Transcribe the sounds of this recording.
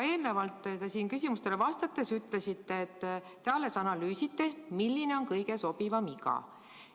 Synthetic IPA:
e̞ːlnevɑlt̪ːˑt̪esiːnkysʲimust̪e̞levɑst̪ɑt̪ːˑe̞syt̪ːˑle̞sit̪ːe̞ːt̪ː | eɑle̞sɑnɑlyːsit̪ːe̞milːine̞onkɤjɡe̞so̞b̥ivɑmikɑ̰

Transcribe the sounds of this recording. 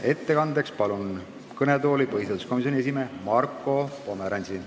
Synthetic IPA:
e̞t̪ːe̞kɑnd̪e̞kspɑlun | kɤnet̪o̞ːlipɤɦist̪et̪u̥sko̞mis̬io̞nʲie̞sime̞ːmɑrkːˑo̞po̞meɾɑnʲsi

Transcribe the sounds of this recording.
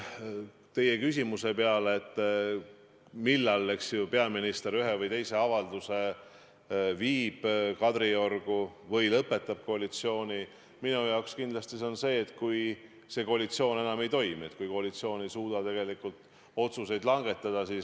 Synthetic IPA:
t̪e̞je̞kys̬ʲimuse̞peɑleːt̪ː | milːɑle̞ksjupeɑminist̪e̞ɾyɦevɤjt̪e̞jse̞ɑvɑld̪̥use̞ | viːb̥kɑd̪ɾiorɡ̥uvɤjlɤpːˑe̞t̪ːˑɑb̥̚ko̞ɑlit̪sio̞ːni | minujɑokskind̪lɑst̪isonse̞ːt̪ːkuj | se̞ko̞ɑlit̪sio̞ːne̞nɑme̞jt̪o̞jmiet̪kujko̞ɑlit̪sio̞ːnejsuːd̪̥ɑt̪e̞ɡ̥e̞likːˑult̪ | o̞t̪suse̞jd̪lɑŋɡ̥e̞t̪ːˑɑd̪̥ɑsiːs

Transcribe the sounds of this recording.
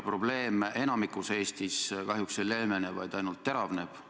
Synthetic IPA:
pro̞b̥le̞ːme̞nɑmikːˑuse̞ːst̪iskɑɦjuksele̞lmenevɑ̰jd̪̥ɑjnult̪ːeɾɑvne̞b̥

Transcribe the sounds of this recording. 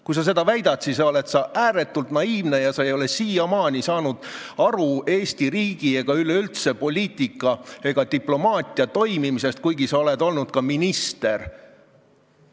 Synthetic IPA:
kujs̬ɑs̬e̞d̪ɑvæjd̪̥ɑt̪sissɑo̞let̪sɑʔæːɾe̞t̪ːult̪nɑiːvne̞jɑsɑe̞jo̞lesiːjɑmɑːnʲisɑːnud̪̥ɑɾue̞ːsʲt̪iɾiːɡ̥ie̞ɡ̥ɑyle̞ylt̪se̞po̞lʲiːt̪ˑikːˑɑe̞ɡ̥ɑt̪iplo̞mɑːt̪ʲˑiɑt̪o̞jmimise̞st̪̚kujɡisɑo̞le̞d̪o̞lnud̪̥̚kɑminist̪e̞r

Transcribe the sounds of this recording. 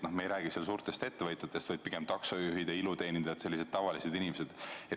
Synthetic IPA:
no̞hmejɾæːɡ̥isels̬uːɾt̪e̞st̪e̞t̪ːe̞vɤt̪ʲˑjɑt̪ːˑest̪ɤjd̪̥̚piɡ̥emt̪ɑksɑjuɦid̪ɑilut̪e̞ːnid̪ɑt̪se̞lːise̞d̪̥̚t̪ɑvɑlise̞d̪inimese̞d̪̥e

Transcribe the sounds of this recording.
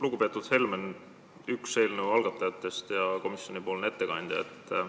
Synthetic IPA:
luɡ̥upe̞ːt̪ːˑud̪̥he̞lmen | ykse̞ːlnəwɑlɡ̥ɑt̪ːˑɑjɑt̪ːˑe̞st̪jɑko̞misjo̞nʲipoːlnet̪ːe̞kɑnʲd̪̥jɑ̰ḛt̪ːˑ

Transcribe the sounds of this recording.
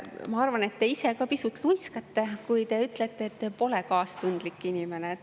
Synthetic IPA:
mɑɑrvɑne̞t̪ːe̞ise̞kɑpisut̪ːlujskɑt̪ːe̞kujt̪e̞yt̪ːle̞t̪ːˑeːt̪ːepo̞lekɑːst̪und̪̥likːˑinʲime̞ne

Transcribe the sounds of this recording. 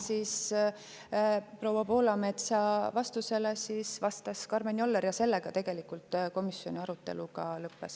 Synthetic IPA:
sis | pro̞wɑpo̞ːlɑme̞t̪sɑvɑst̪use̞lesisvɑst̪ɑskɑrmenʲio̞lːeɾjɑse̞lːe̞ɡ̥ɑt̪e̞ɡ̥e̞likult̪ˑko̞misjo̞̰nʲiɑɾut̪ːe̞̰lukɑlɤpːes

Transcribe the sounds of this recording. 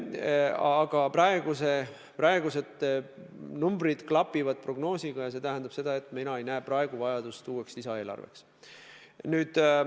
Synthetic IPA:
ɑːɡ̥ɑprɑe̞ɡuse | prɑe̞ɡ̥use̞t̪ | numbɾid̪̥klɑpːivɑd̪̥̚pro̞ɡno̞ːsiɡ̥ɑjɑse̞t̪æɦænd̪ɑb̥se̞d̪ɑe̞t̪ːˑminɑejnæːprɑe̞ɡ̥uvɑjɑd̪ust̪uːe̞kslisɑe̞ːlɑ̰rvḛks | nyːd̪̥

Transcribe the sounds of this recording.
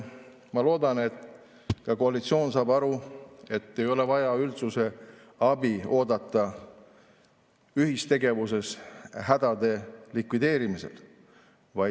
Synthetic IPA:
mɑlo̞ːd̪ɑne̞t̪ | kɑko̞ɑlit̪sio̞ːnsɑːbɑɾue̞t̪ːe̞jo̞le̞vɑjɑylt̪suse̞ | ɑbio̞ːd̪ɑt̪ːˑɑ | yɦist̪e̞ɡe̞vus̬e̞sɦæd̪̥ɑd̪̥e̞likvid̪e̞ːɾimisḛl | vɑj

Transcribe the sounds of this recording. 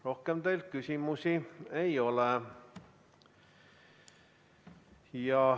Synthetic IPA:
rohkemd̪eiltkysimusieioleˑ | jɑ

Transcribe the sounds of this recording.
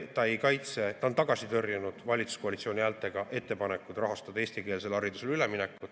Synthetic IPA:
t̪ɑejkɑjt̪se̞t̪ɑont̪ɑɡ̥ɑsit̪ɤ̞rjenud̪̥vɑlʲit̪su̥sko̞ɑlʲit̪sio̞ːnʲiæːlt̪ːˑe̞ɡ̥ɑʔe̞t̪ːe̞pɑnekːˑud̪rɑɦɑst̪ɑd̪̥ɑeːst̪ike̞ːls̬e̞lɑɾid̪use̞lyleminekːu

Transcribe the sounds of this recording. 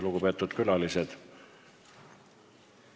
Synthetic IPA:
luɡupe̞ːt̪ːˑud̪̥kylɑlised̪̥

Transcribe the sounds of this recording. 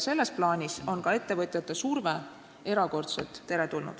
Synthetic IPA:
se̞lːe̞splɑːnʲiso̞nkɑe̞t̪ːe̞vɤt̪ʲˑjɑt̪ːˑesurve | e̞ɾɑko̞rt̪selt̪ˑːe̞ɾe̞t̪ulnṵd̪̥

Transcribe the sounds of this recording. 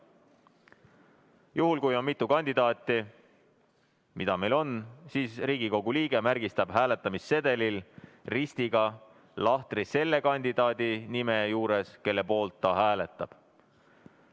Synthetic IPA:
juhulkujo̞nmit̪ːˑukɑnʲd̪̥id̪̥ɑːt̪ːˑi | mid̪ɑmelo̞nsiːsriːɡ̥iko̞ɡ̥uliːɡ̥e̞mærɡ̥ist̪ɑb̥ɦæːle̞t̪ːˑɑmisːe̞d̪e̞lilrist̪iɡ̥ɑ | lɑht̪rise̞lːe̞kɑnʲd̪̥id̪ɑːd̪̥inime̞juːɾe̞ske̞lːe̞po̞ːlt̪ːɑɦæːle̞t̪ːˑɑb̥

